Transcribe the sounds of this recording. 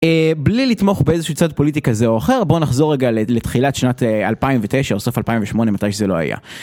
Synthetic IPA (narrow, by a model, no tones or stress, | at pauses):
eblilit̪mo̞χbeezeʃuut͡sad̪̚po̞lit̬ikazeoaχe̞ʁbo̞naχzo̞ʁːeɡalelet̪χilatʃnatea̰lpaimvet̪ejʃaso̞falpaimɱveʃmo̞nemat̪ajʃezelo̞a̰ja̰